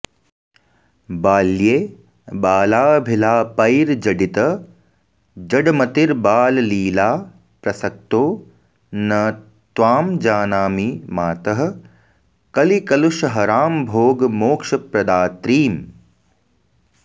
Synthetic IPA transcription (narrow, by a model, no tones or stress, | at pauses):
baːljeː | baːlaːbʱɪlaːpɐjɾd͡ʒɐɖit̪ɐ | d͡ʒɐɖmɐt̪iɾbaːlliːlaː | pɾɐsɐk̚t̪oː | nɐ | t̪ʋaːmd͡ʒaːnaːmimaːt̪ɐɦɐ̆ | kɐlikɐluʃɐɦɐɾaːmbʱoːɡmoːkʂɐpɾɐd̪aːt̪ɾiːm